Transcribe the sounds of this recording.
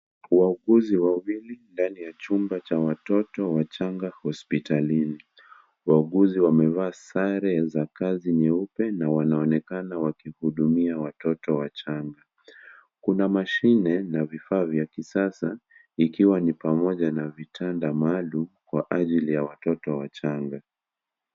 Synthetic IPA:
wauɠuziwawilindanijat͡ʃumbat͡ʃawatɔtɔwat͡ʃaŋɡahɔspitalini | wauɠuziwamɛvaːsaɾɛzakaziɲɛupɛnawanaɔnɛkanawakihuɗumiawatɔtɔwat͡ʃaŋɡa | kunamaʃinɛnavifaːvjakisasa | ikiwanipamɔʄanavitʰandamalumkwaʔaʄilijawatɔtɔwat͡ʃaŋɡa

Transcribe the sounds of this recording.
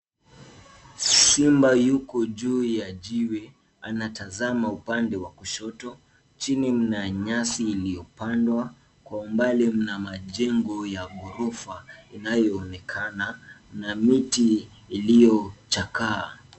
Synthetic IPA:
simbajukɔʄuːjad͡ʒiwɛ | anatazamaupandɛwakuʃɔtɔ | t͡ʃinim̩naɲasiːlijɔpandwa | kwaumbalɛm̩namaʄɛŋɡɔjaɡɔɾɔfainajɔːnɛkʰananamitiː | lijɔt͡ʃakaː

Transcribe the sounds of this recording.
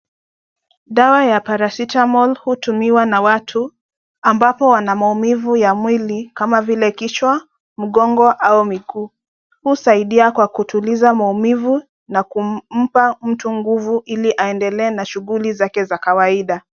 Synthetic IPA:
ɗawajapaɾasitamɔlhutumiwanawatʰu | ambapɔwanamaumivujamwilikamavilɛkit͡ʃwa | m̩ɠɔŋɡɔʔaumikuː | husaiɗiakwakutʰulizamaumivu | nakum̩pam̩tuŋɡuvuʔiliʔaɛndɛlɛːnaʃuɣulizakɛzakawaiɗa

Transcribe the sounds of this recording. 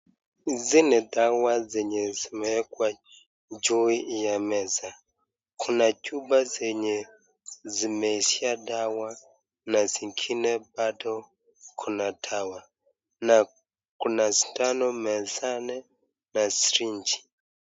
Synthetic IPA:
zinɛd̪awazɛɲɛzimɛkwa | d͡ʒuijamɛza | kʰunacʼubazɛɲɛ | zimesiadawa | naziŋkʰinɛbadʰɔ | kʰunatʰawa | na | kunasitʼanɔmɛzanɛ | nasɾind͡ʒi̥

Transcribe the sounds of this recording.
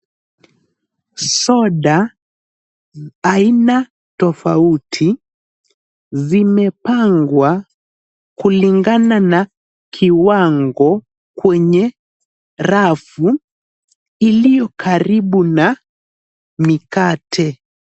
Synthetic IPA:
sɔɗa | ina | tɔfautʰi | zimɛpaŋɡwa | kuliŋɡanana | kʰiwaŋɡɔ | kwɛɲɛ | ɾafu | ilijɔkʰaɾiɓuna | mikatʰɛ

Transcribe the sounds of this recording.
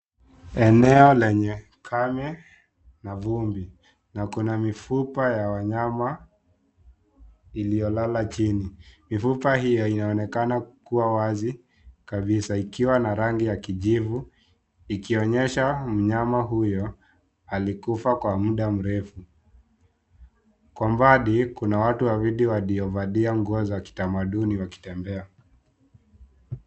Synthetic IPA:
ɛnɛɔlɛɲɛ | kʰamɛ | navumbi | nakunamifupajawaɲama | ilijɔlalat͡ʃinimifupahijɔinaɔnɛkanakuwawazi | kaɓisaikiwanaɾaŋɡijakiʄivu | ikiɔɲɛʃam̩ɲamaɦujɔ | alikufakwamuɗam̩ɾɛfu | kwambaɗikunawatuwaɾiɗiwaliɔvaɗiaŋɡɔzɔwaki̥tamaɗuniwaki̥tɛmbɛa

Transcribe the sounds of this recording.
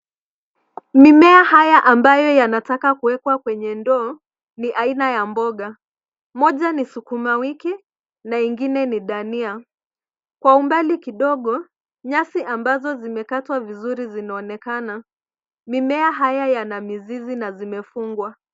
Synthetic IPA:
mimɛahajaʔambajɔjanatakakuwɛkwakwɛɲɛndɔː | niʔainajambɔɠa | mɔʄanisukumawiki | naiŋɡinɛniɗania | kwaumbalikiɗɔɠɔ | ɲasiʔambazɔzimɛkatwavizuɾizinaɔnɛkana | mimɛaɦajajanamizizinazimɛfuŋɡwa

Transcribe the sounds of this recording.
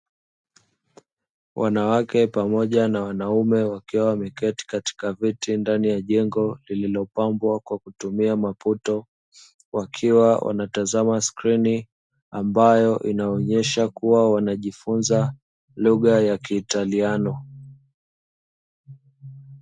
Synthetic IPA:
wʔa̰nawakɛpamɔʄanawanaumɛwakiwawamɛkɛti̥kati̥kavitindanijaʄɛŋɡɔlililɔpambwakwakutumiamaputɔ | wʔakʰiwawʔa̰natazamaskɾini | ambajɔʔinaɔɲɛʃakuwawanaʄifunza | luɣajakiːtalianɔ

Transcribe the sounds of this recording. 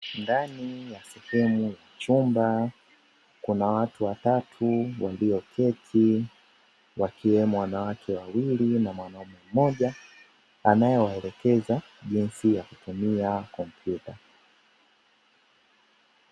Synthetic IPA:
ndanijasɛhɛmujat͡ʃumba | kunawatuwatatʰuwaliɔkʰɛtʰi | wakiwɛmuwanawakʰɛwawilinamwanaumɛm̩mːɔʄa | anajɔwaɛlɛkɛza | ʄinsijakutumiakɔmpʰjuta

